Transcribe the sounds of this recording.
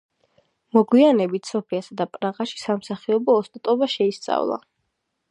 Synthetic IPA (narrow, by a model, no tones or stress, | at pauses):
mɔɡwianɛbit̪ʰsɔpʰiasad̪apʼɾaʁaʃi̥samsaχiɔbɔːst̪ʼat̪ʼɔbaʃɛist̪sʼa̰vlˠa̰